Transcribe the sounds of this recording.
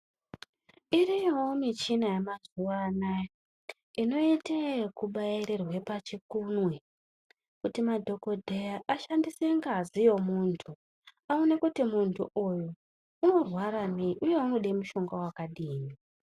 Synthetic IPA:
iɾijwomit͡ʃinajamazuwana | ino̞itekuɓajiɾerwe̞pat͡ʃikunwe̞ | kutimadʱo̞ko̞dʱejaʔaʃandiseŋɡazijo̞muːntʰu | aonekutimuntʰṵʔujuː | no̞rwaɾameiʔuje̞uno̞ɗemuʃo̞ŋɡawakaɗiːni

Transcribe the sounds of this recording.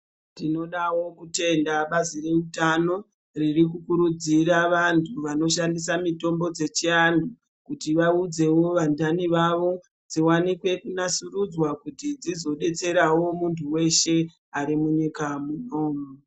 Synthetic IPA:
tino̞ɗawo̞kute̞ndaɓazire̞utano̞ | ririk̬ukuɾud͡ziɾaʋantʰuʋano̞ʃandisamito̞mbo̞d͡ze̞t͡ʃiandu | kutiʋaud͡ze̞wo̞ʋandaniʋaʋo̞ | d͡ziwanikwe̞kunasurud͡zwakutid͡zizo̞ɗe̞t͡se̞ɾawo̞muntʰuwe̞ʃe̞ | aɾimuɲikamuno̞ːmo

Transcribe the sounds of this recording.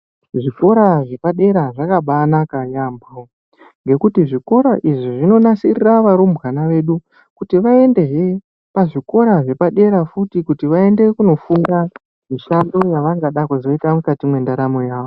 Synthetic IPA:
ʐiko̞ɾaʐe̞paɗe̞ɾaʐakaɓanakaɲambo | ŋɡe̞kutiʐiko̞ɾaʔiʐiʐino̞nasiriraʋaɾombɣanaʋe̞ɗu | kutiʋae̞nde̞ɦe | paʐiko̞ɾaʐe̞paɗe̞ɾafutikutiʋae̞nde̞kuno̞fuŋɡa | miʃando̞jaʋaŋɡaɗakuzo̞itamukatimwe̞ndaɾamo̞jaːʋo

